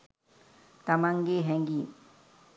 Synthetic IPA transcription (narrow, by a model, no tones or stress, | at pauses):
t̪ɐmaŋɡeɦɛ̃ŋɡi